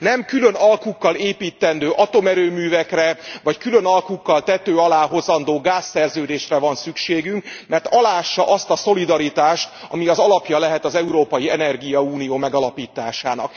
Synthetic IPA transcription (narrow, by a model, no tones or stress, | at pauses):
nɛmkylø̞nɒlkukːɒleːpiːt̪ːɛnd̪øːʔɒt̪o̞mɛɾøːmyːvɛkrɛvɒckylø̞nɒlkukːɒlt̪ɛt̪øːɒlaːɦo̞zɒnd̪oːɡaːsːɛrzøːd̪eːʃrɛvɒnsykʃeːɡyŋkmɛrt̪ɒlaːʃːɒʔɒst̪ɒso̞lid̪ɒɾit̪aːʃt̪ɒ̰miɒzɒlɒpjɒlɛɦɛt̪ɒzɛuɾoːpɒjiɛnɛrɡijɒuːnijoːmɛɡɒlɒpiːt̪aːʃa̰ːnɒ̰k